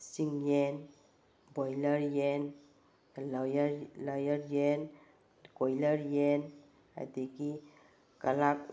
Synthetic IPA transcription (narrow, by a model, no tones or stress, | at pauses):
siŋjen | bojləɾjen | ljɾlajəɾjen | kojləɾjen | a̰diki | kalak̚